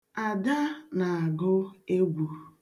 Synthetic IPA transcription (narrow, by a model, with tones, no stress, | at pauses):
a˨da˦na˨a˨ɡʊ˦e˦ɡʷu˨